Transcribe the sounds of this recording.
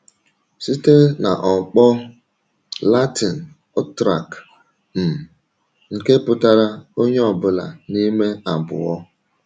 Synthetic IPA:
si˦te˦na̰˨ʔɔ˨k͡pɔ˦ | la˦ti˨n˨˦ | tɾa̰˨k | m̩˨ | ŋ̩˨ke˦pʊ˦ta˦ɾa˦o˦ɲe˦ɔ˨bʊ˦la̰˨ni˦me˦a˨bʊ̰˨ɔ˦

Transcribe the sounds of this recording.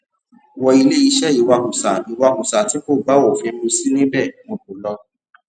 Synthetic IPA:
wɔ˧i˧le˦i˧ʃɛ˦i˨wa˧hu˨sa˨i˨wa˧hu˨sa˨ti˨˦ko˦˨ba˦wɔ˦˨fĩ˧n̩˦ũ˧si˦nĩ˦bɛ˦˨mɔ̃˧bu˨lɔ˧

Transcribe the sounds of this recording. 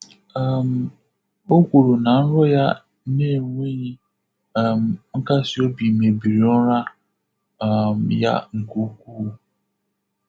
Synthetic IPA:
ɛ˨m˨ | o˦ɡʷu˨ɾo˨nã˨n̩˦ɾɔ˦ja˦ | ne˦˨ŋʷe˦ji˦˨ | m˨ŋ̩˦ka˦si˨o˦bi˨me˨bi˨ɾi˨ɔ˦ɾa˦˨ | mja̰˦ŋ̩˨ko˨˦kʷu˦˨

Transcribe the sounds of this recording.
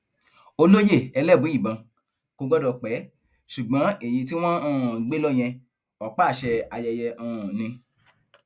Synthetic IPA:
o˧lo˦je˦˨ɛ˧lɛ˦˨bũ˨˦i˦˨bã˧ | ko˧ɡ͡bɔ˦dɔ˧k͡pɛ˨˦ | ʃu˨ɡ͡bã˨˦e˨j̃ĩ˧t̬i˦w̃ɔ̃˦ã˦˨ɡ͡be˦lɔ˦˨j̃ɛ̃˧ | ɔ˨k͡pa˦˨ʃɛ˧a˧jɛ˧jɛ˧ã˨nĩ˧

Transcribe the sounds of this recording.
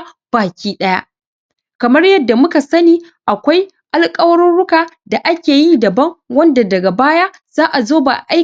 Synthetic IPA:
b̥aː˨kʲiː˦ɗɐ˦ja̰˦ʔ | kɐ˨mɐ˦rjɐ˦dːa˨mʊ˦ka˨sɐ˦niː˦ | ʔa˨kʷa˦j | ʔa˨lkʼɐ˦wɐ˦ɾɪ˦nɽʊ˦kaː˨da˨ʔa˦kʲeː˨ji˦dɐ˨bɐ˦ŋwɐ˦nda˨dɐ˨ɡa˨baː˦jaː˦ | z̥aː˦ʔa˨zoː˦ba̰˨ʔa˦

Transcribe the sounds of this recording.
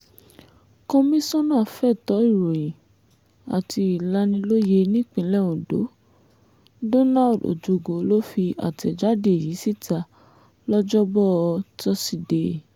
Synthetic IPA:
kɔ̃˧mĩ˦sɔ̃˦nã˦˨fɛ˦˨tɔ˨˦i˦˨ɾo˨jĩ˨ | a̰˨tʰi˧i˨la˦nĩ˧lo˦je˧nĩ˦˨k͡pĩ˧˦lɛ˦˨ũ˨do̰˨˦ | do˦na˦˨do̰˨d͡ʒu˨ɡo˨˦lo˦fi˧a̰˨tɛ˨d͡ʒa˨˦de˦e˨ji˨˦si˦˨ta˧ | lɔ˦d͡ʒɔ˦bɔ˦˨˧tɔ˧˦si˧˨de˨

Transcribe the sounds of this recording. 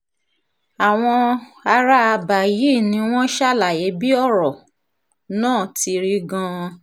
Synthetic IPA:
a˨w̃ɔ̃˧a˧ɾa˦a˧ba˨ji˨˦˨nĩ˧w̃ɔ̃˦ʃa˦la˨je˨˦bi˦ɔ˦˨ɾɔ˨ | nãː˦˨ti˧ɾi˧ɡã˧

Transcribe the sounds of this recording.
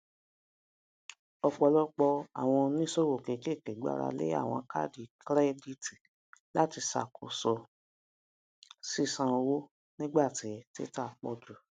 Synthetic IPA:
ɔ˧k͡pɔ˧lɔ˦k͡pɔ˧a̰˨w̃ɔ̃˧nĩ˦so˦˨wo˨ke˨˦ke˦˨ke˨ɡ͡ba̰˨˧ɾa̰˧lḛ˦a̰˦˨w̃ɔ̃˧ka̰˦di˨kɾɛ˦di˦ti˨ | la˦ti˧sa̰˨kʰo˨sɔ˨ | si˦sã˧wo˦ | nĩ˦ɡ͡ba˦˨ti˨˧˦ti˦ta˦˨˧k͡pɔ˧d͡ʒu˨

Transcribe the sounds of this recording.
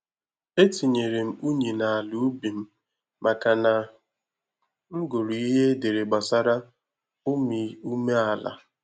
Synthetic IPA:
e˦ti˨ɲe˨ɾe˨m̩˦u˦ɲi˨na˨a˨lu˨˦bi˨m̩˦ | mʔa˨ka˨na˨ | ŋ̩˦ɡo˨ɾu˨i˦ɦe˦de˨ɾe˨ɡ͡ba˨sa˦ɾa˦ | ʊ˦mi˨u˦me˦a˨la̰˨

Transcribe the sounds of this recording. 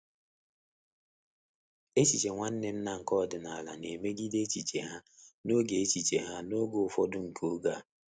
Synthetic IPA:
e˦t͡ʃi˨t͡ʃe˨ŋʷa˦n̩˦ne˦n̩˦na˦ŋ̩˨kɔ˦˨dɪ˨na˨la̰˨ne˨me˦ɡi˦de˦t͡ʃi˨t͡ʃe˨ɦa˦no˦ɡe˨e˦t͡ʃi˨t͡ʃe˨ɦa˦no˦ɡo˨ʊ˨fɔ˦dʊ˦ŋ̩˨kʰo˦ɡa˦˨

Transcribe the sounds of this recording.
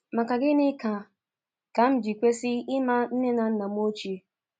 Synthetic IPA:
ma˨ka˨ɡɪ˦nɪ˦ka˨ | ka˨˦m̩˦d͡ʒi˨kʷe˦sɪ˦ɪ˦ma˦n̩˦ne˦na˨n̩˦na˨m˦o˦t͡ʃi˨˦

